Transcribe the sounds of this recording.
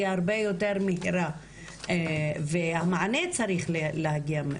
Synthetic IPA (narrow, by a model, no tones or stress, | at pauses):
ahaɾbejo̞teɾmihiɾa | evehamaʕanet͡saɾiχlelehaɡiam